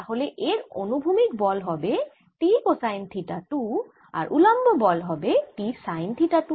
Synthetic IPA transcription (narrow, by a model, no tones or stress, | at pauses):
aɦolɛʔeɹo̰nubʱumik̚bɔlɦɔbɛ | tikosajntʰitatu | a̰ɹʔulambɔbɔlɦɔbɛtisajntʰitatu